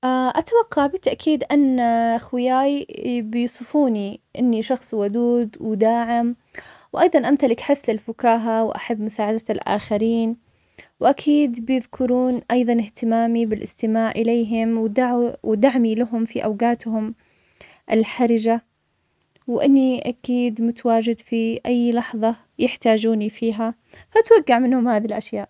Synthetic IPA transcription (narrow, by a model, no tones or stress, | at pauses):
ʔaʔat̪awɑqːɑʕbɪt̪ːaʔkʰiːd̪ʔanːaʔaxwɪjaːjbɪjʊsˤɨfuːniʔɪnːiʃɑxsˤwʊd̪uːd̪wɪd̪aːʕɪm | wʔɑjðˤɑnʔamt̪alɪkħaslɪlfʊkaːɦawʔa̰ħabːmʊsaːʕad̪aalʔa̰ːxaɾiːn | wʔakʰiːd̪bɪjɪðkʰʊɾuːnʔɑjðˤɑnɪht̪ɪmaːmibɪlʔɪ̰st̪ɪmaːʕʔɪleːɦɪmwd̪awd̪aʕmilaɦʊmfiʔawɡaːt̪hʊm | ʔɪlħaɾɪd͡ʒa | wʔɪnːiʔakiːd̪mʊt̪awaːd͡ʒɪd̪fiʔajːlɑħðˤɑ | jɪħt̪aːd͡ʒuːnifiːɦa | faʔat̪waɡːaʕmɪnhʊmhaːðilʔaʃjaːʔ